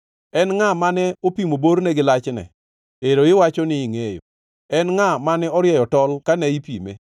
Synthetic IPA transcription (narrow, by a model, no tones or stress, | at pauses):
ɛnŋamanɛopimoboɾnɛɡɪlat͡ʃnɛ̰ | eɾoɪwat͡ʃɔnɪŋejo̰ | ɛnŋamanɛɔɾjɛjɔtɔlkanɛipḭmḛ